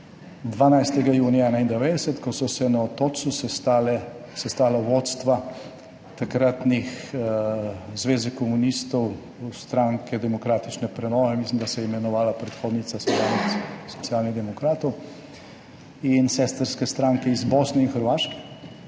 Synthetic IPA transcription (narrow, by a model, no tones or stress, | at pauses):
d̪ʋaːnajst̪ɛɡajuːnijaɛnaind̪ɛʋeːd̪ɛsɛt̪kɔsɔsɛnaɔt̪oːsusɛt̪alɛsɛst̪aːlaʋot̪st̪ʋa | t̪akɾat̪nix | zʋeːzɛkɔmunist̪ɔw | st̪ɾaŋkʰɛd̪ɛmɔkɾaːt̪i̥t͡ʃnɛpɾɛnɔːʋɛmislimd̪asɛjɛimɛnɔʋaːlapɾɛt̪xoːd̪nit̪sast̪ɾanɛssɔ̥t̪sijaːlniɣd̪ɛmɔkɾaːt̪ɔw | insɛst̪əɾskɛst̪ɾaːŋkɛizboːsnɛinxəɾʋaːʃkɛ̥